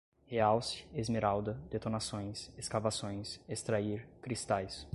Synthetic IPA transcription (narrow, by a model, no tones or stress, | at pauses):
heawsɪ̥ezmeɾawd̪ɐd̪et̪onasõj̃seskavasõj̃sest̪ɾaiɾkɾist̪ajs